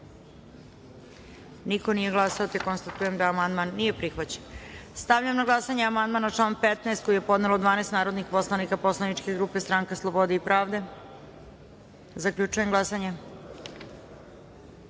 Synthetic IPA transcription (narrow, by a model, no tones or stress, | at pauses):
niko̞nije̞ɡlˠasaot̪ekonst̪at̪ujemd̪aːmand̪manːije̞pɾixʋat͡ɕenst̪aʋʎamnaɡlˠasaɲeamand̪manatlˠaːnpet̪naest̪̚kojijepo̞d̪nelod̪ʋaːneːst̪naːɾo̞d̪nixpo̞slˠanikapo̞slˠanit͡ʂke̞ɡɾupe̞st̪ɾaŋkaslˠobo̞d̪eipɾaːʋd̪e̞ | zakʎut͡ʃuje̞mɡlˠasaɲe